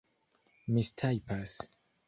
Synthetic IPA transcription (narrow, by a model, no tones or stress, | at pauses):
mistʰajpas